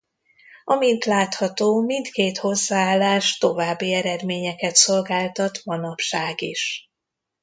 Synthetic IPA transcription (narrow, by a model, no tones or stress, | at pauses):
ɒmint̪laːt̪hɒt̪oːmint̪keːt̪ho̞zːaːaːlːaːʃt̪o̞vaːbːiɛɾɛd̪meːɲɛkɛt̪so̞lɡaːlt̪ɒt̪mɒnɒpʃaːɡiʃ